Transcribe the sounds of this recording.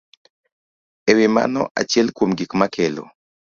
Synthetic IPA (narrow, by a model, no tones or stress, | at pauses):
ewima̰nɔ̰ʔa̰t͡ʃɪɛlkwomɡikmakʰelo̰